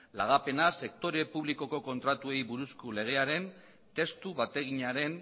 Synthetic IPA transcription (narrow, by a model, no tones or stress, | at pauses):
laɣ̞ape̞nase̞kt̪o̞ɾepuβliko̞ko̞ko̞nt̪ɾat̪ue̞jβuɾuskule̞ɣ̞e̞aɾe̞n | t̪e̞st̪uβat̪e̞ɣ̞iɲaɾe̞n